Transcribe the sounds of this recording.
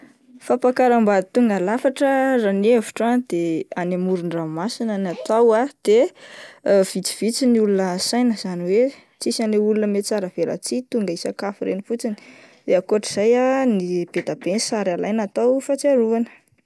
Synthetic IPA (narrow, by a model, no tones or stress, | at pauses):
fapakaɾambait̪uŋɡalafaʈ͡ʂəranevi̥ʈ͡ʂand̪̥eanamuɾuɳramasinanat̪awad̪̥e | v̥it͡si̥v̥it͡sinulunəsajnəz̥aniwe | t͡sisaneulunəmet͡saɾəvela̰t͡sit̪uŋɡaisakafiɾḛnifut͡sini̥ | d̪eakuaʈ͡ʂiz̥ajanib̥ed̪ab̥esaɾalajnat̪awfat͡siaɾuanə̥